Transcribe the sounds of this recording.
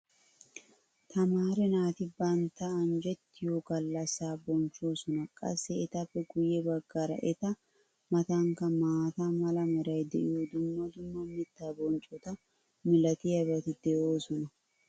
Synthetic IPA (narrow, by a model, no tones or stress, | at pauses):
t̪ʰɐmaːɾɛnaːt̪ɪbɐnt̪ːɐːnd͡ʒɛt̪ːɪjokɐlːɐsːaːbɔnt͡ʃʼːoːsɔnɐkʼɐ̰sːɛːt̪ɐpːɛɡʊjːɛbɐɡːɐɾɐ̰ʔɛt̪ɐ | mɐt̪ɐŋkɐmaːt̪ɐmɐlɐmɔɾɐjd̪ɛʔɪjod̪ʊmːɐd̪ʊmːɐmɪt̪ːaːbɔnt͡ʃʼɔt̪ɐ | mɪlɐt̪ɪjɐbɐt̪ɪd̪̥ɛʔoːsɔnɐ